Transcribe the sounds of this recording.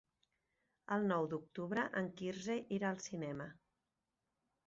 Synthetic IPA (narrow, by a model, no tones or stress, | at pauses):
əlˠnɔwd̪uk̚t̪uβɾəʔəŋkirzeʔiɾaːlˠsinɛmə